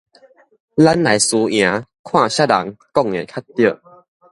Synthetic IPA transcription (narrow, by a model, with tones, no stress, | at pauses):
la˦˥nla˨˦jsu˧j̃ã˨˦kʰw̃ã˥˨ɕa˦˥la̰˨˦ŋkɔ˥˧˨ŋḛ˨kʰa˦˥tt̪ːi˦˧ə˧˨